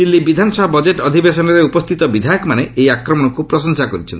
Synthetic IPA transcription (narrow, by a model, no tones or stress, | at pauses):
d̪ilːibid̪ʱanɔsɔbʱabɔd͡ʒeʈɔd̪ʱibesɔnɔɾeupɔst̪ʰit̪ɔbid̪ʱajɔkmaneʔejakɾɔmɔñɔkupɾɔʃɔŋsakɔɾit͡ʃʰɔ̰nt̪i